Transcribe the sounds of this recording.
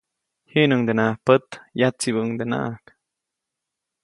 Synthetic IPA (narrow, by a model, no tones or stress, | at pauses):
hiʔnuŋd̪enahpət̪jat͡siβuŋd̪ena̰ʔak